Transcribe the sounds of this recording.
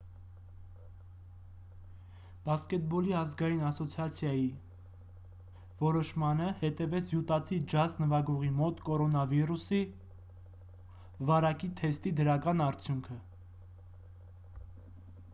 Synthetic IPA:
b̥ɑskɛt̪̚bɔliɑzɡɑjinɑsɔt͡sʰjɑt͡sʰjɑji | vɔɾɔʃmɑnəhɛt̪ɛvɛt͡sʰjut̪ɑt͡sʰid͡ʒɑznəvɑɡɔʁimɔt̪kɔɾɔnɑvirusi | vɑɾɑkit̪ʰɛst̪id̪əɾɑkɑnɑɾt͡sʰjuŋkʰə

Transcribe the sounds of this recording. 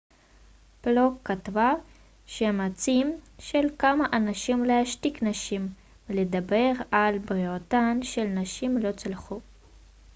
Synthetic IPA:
plokːat̪va | ʃemat͡simʃelkamaʔanaʃimlehaʃtiknaʃim | ledabe̞ʁalbʁiotanʃelnaʃimlo̞t͡salχu

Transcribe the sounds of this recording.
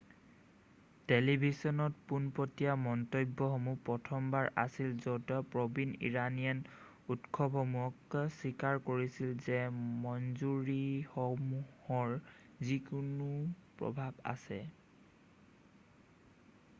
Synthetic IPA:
telibʱisɔnɔt̚punpɔtijamɔntojbːɔxɔmupɹɔtʰɔmbaɹʔa̰silzɔtɔpɹɔbinḭɹanijan | utkʰɔbʱɔmuɔksikaɹkoɹisilzɛmɔnzuɹixɔmuhɔɹ | zikunupɹɔ̰bʱaba̰sɛ̰

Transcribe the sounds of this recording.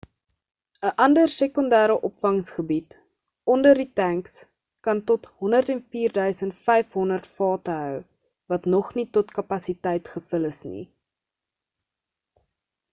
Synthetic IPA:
əʔɐndərsekɔndæːɾəʔɔpfɐŋsχəbit | ɔndərditæŋks | kɐntɔtɦɔndərtɛnfiːrdœɥsəntfɛjfɦɔndərtfɑːtəɦœw | vɐtnɔχnitɔtkɐpɐsitɛjtχəfələsnḭ

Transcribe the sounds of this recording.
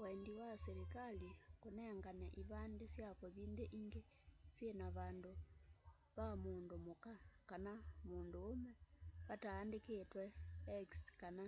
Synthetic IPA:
waɛndiwaseɾekalikonɛŋɡanaʔiβandesjakoðindeʔiŋɡe | sjenaβando | βamoːndomokakanamoːndoomɛβataːndeketwɛɛkskana

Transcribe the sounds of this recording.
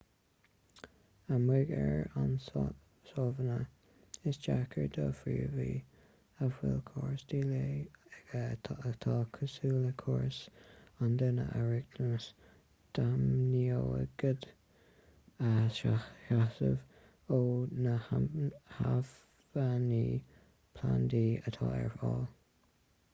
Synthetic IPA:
əmɪɡɛ̰ɹans | sɔvənə | ɪsd͡ʒakʰəɹd̪ɔːfɹḭːɹviː | əfwɛ̰lkʰɔɹsd̪iːleːɡ̥ət̪ʰɑːkʰəsuːləkʰɔɹsand̪ɪnə̰ʔəɹɪɡd̪̥əns | d̥amnioə̰ɡ̥əd̪ | aaʃasə̰v | oːnəahav | vaniː | pʰland̪iːət̪ʰɑɛɹfɔːl

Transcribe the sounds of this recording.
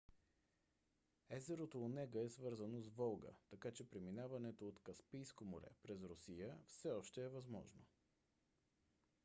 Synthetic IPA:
ɛzɛɾot̪oːnɛɡəɛsvɤɾzənozvɔlˠɡə̰t̪ɐkat͡ʃɛpɾiminavɐnɛt̪oːt̪kɐspijskomoɾɛ̰pɾɛzɾʊsijəfsɛɔʃt̪ɛːvɐzmɔ̰ʒno

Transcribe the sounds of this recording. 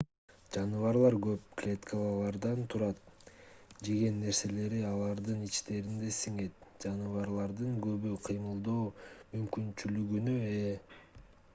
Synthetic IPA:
d͡ʒɑnɯvɑɾlˠɑɾɡøp̚klʲet̪kʰəlˠɑlˠɑɾd̪ɑnt̪ʰuɾɑt̪̚ | d͡ʒe̞ɡe̞nːe̞ɾse̞le̞ɾiɑlˠɑɾd̪ɯnit͡ʃt̪e̞ɾind̪e̞siŋe̞t̪̚d͡ʒɑnɯvɑɾlˠɑɾd̪ɯŋɡøβyqʰɯjmɯlˠd̪oːmymkynt͡ʃylyɡynye

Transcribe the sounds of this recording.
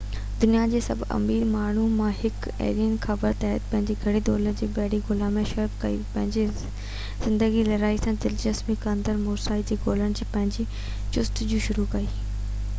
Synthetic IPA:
d̪ʊnijad͡ʑeːsɐ̰bʱɐ̰miːɾmaːɳ̤umãhɪk | ḛːɗiːənxʰɐbəɾt̪aːɦət̪̚pɐ̃ɦɪ̃ɲd͡ʑiɡʱɐɽid̪oːləɾd͡ʑeːbɛːɽiɡʊlamẽʃɐɾpkɐḭpɐ̃ɦɪ̃ɲd͡ʑe | z̥ɪ̃nd̪əɡilɐɾaːisãd̪ɪld͡ʑɐsmikɐnd̪əɾmʊːɾsaːid͡ʑiːɡoːləɽ̃̆d͡ʑiːpɐ̃ɦɪ̃ɲd͡ʑi | t͡ɕʊst̪d͡ʑũʃʊɾukɐiː

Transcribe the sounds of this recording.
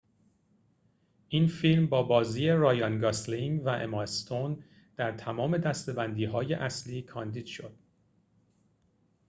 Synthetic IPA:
ʔiːnfilmbɒːbɒːziːeɾɒːjɒnɡɒsliŋvæʔḛmɒst̪ʰon | d̪̥æɾt̪ʰæmɒːme̞d̪æst̪e̞bænd̪iːɦɒːje̞̰ʔæsliːkʰɒːnd̪iːd̪̥ʃo̞d̪̥

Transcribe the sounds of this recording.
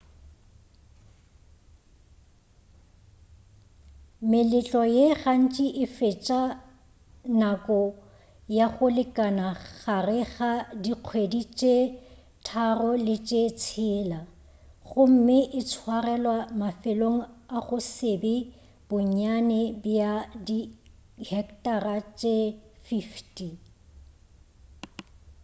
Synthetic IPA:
mɪlɪt͡ɬʼɔjeɣan̩t͡ʃʼiʔɪfet͡ʃʼa | nakʼɔ | jaɣʊlɪkʼanaɣarɪɣadiq͡χʰwedit͡ʃʼe | tʰarɔlɪt͡ʃʼet͡sʰɪːla | ɣʊm̩mɪʔɪt͡sʰwarɛlwamafɪloŋ̩aɣʊsɪbɪ | b̥ʊɲ̩anɛbijadihɛktʼarat͡ʃʼefiftʼi

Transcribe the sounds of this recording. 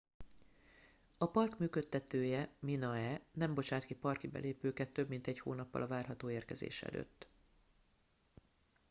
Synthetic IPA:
ɒpɒrkmyːkøt̪ːɛt̪øːjɛminɒɛnɛmbo̞t͡ʃaːt̪kipɒrkibɛ̰leːpøːkɛt̪ːø̞bmint̪ɛcho̰ːnɒpːɒ̰lɒvaːrɦɒt̪oːeːrkɛzḛːʃɛ̰lø̰ːt̪ː

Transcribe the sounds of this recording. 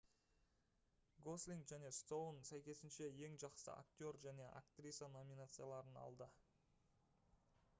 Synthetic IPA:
ɡo̞slʲiŋɡʒæne̞st̪o̞wnsæjkʲe̞sɪnʃe̞je̞ŋʒɑqsə̰a̰kt̪ʲo̞ɾʒæne̞ʔa̰kt̪rʲisano̞minat̪sɨjalˠɑɾənɑ̰lˠd̪ə

